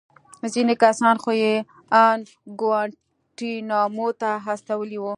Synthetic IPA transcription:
zinekasɑnxoje | an | ɡwaɳ | ʈinɑmot̪aɦast̪awəliwu

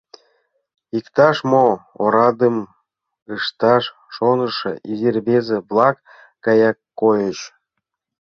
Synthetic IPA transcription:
ikt̪ɑʃmooɾɑd̪ə̆m | ɯʃt̪ɑʃ | ʃonɤ̆ʃɤ̰̆ʔizʲirbʲezeblˠɑkː | ɑjɑkːojə̆ɕ

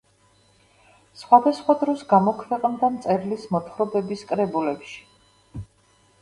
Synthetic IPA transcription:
sχwad̪asχwad̪ɾɔsɡamɔkʰvɛqʼnd̪amt̪sʼɛɾilismɔt̪ʰχɾɔbɛbiskʼɾɛbulɛpʃi̥

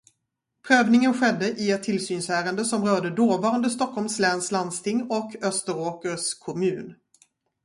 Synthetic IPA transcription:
pʰɾøːvnɪŋənɧɛd̪ːəʔɪɛt̪ʰːɪlsyːnsæːɾənd̪əsɔmɾœːɖəd̪oːvɑːɾand̪əst̪ɔkʰːɔlmslɛːnsland̪st̪ʰɪŋːɔkʰœst̪əɾoːkəɾskʰɔmʉ̟ːn

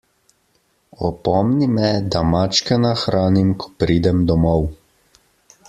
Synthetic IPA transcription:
ɔ̰pɔmnimɛd̪amat͡ʃkɛnaxɾʔaːnimkʰɔ̥pɾiːd̪ɛmd̪ɔmɔw

